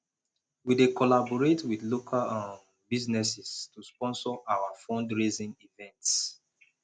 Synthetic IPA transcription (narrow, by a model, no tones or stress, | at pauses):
widekɔlabɔɹetwiθlokʰalãn | biznɛsɛstuspɔ̃nsɔʔawafɔ̃ndɹezĩnivɛ̃nts